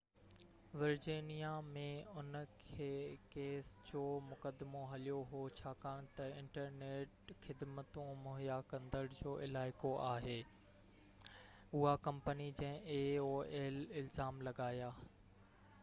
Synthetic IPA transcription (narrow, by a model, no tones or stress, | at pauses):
ʋɪɾd͡ʑiːnijamẽʊnkʰeːkeːsd͡ʑoːmʊkəd̪moɦɐlijoɦot͡ɕʰaːkɐɽ̃ʊt̪ɐɪ̃ɳʈəɾneːʈxɪd̪mət̪ũmʊɦjakɐ̃nd̪əɽd͡ʑoːʔɪlaːɪkoʔaːɦeː | ʊɦakɐ̃mpənid͡ʑɐ̃ɦɪ̃eoːeːlɪlzaːmlɐɡaːjaː